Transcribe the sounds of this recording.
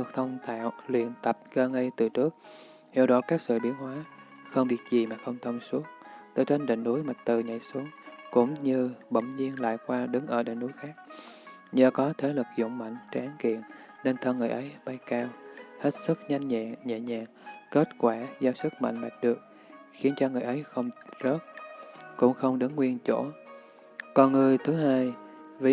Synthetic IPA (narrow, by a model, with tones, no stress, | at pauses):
t̪ɨ˨˩k̚t̪ʰə˧wŋ͡mt̪ʰa̰ː˧˨wlḭ˧˨ənt̪ə˨˩p̚ɣəː˧ŋə˧jt̪ɨ˨˩t͡ɕɨ˦˥ək̚ | hi˧˩wɗɔ˧˦kaː˦˥k̚sɨ̰˧˨ɓḭ˧˩ənɦwaː˨˦ | xə˧wŋ͡mvi˨˩ək̚zi˨˩maː˨˩xə˧wŋ͡mt̪ʰə˧wŋ͡msu˦˥əŋt̪əː˨˦jt͡ɕe˧nɗḭ˧˨ŋ̟ɗu˨˦jma˨˩t̚t̪ɨ˨˩ɲə̰˧˨jsu˨˦əŋkʊ̰˧˥ŋ͡mɲɨ˧ɓə̰˧˩ŋ͡mɲi˧ənla̰ː˧˨jkwaː˧ɗɨ˨˦ŋʔəː˧˩ɗḭ˧˨ŋ̟ɗu˨˦jxaː˦˥k̚ | ɲəː˨˩kɔ˨˦t̪ʰe˨˦lɨ˨˩k̚zʊ̰˧˩˨ŋ͡mma̰˧˨jŋ̟t͡ɕɛ˧ʔaː˨˦nkḭ˧˨ən | ne˧nt̪ʰə˧ŋɨ˨˩əjʔə˨˦jɓa˧jkaː˧whe˦˥t̚sɨ˦˥k̚ɲa˧jŋ̟ɲa̰˧˨ɲɛ̰˧˨ɲa̰ː˧˨ŋke˦˥t̚kwaː˧˩zaː˧˩wsɨ˦˥k̚ma̰˧˨jŋ̟ɓa˨˩jt̚ɗɨ˨˩ək̚ | xi˨˦ənt͡ɕɔ˧ŋɨ˨˩jʔə˨˦jxə˧wŋ͡mzəː˦˥t̚kʊ̰˧˥ŋ͡mxə˧wŋ͡mɗɨ˨˦ŋwi˧ənt͡ɕo˧˩ | kɔ˨˩nŋɨ˨˩əjt̪ʰɨ˨˦ɦaː˧jvi˨˦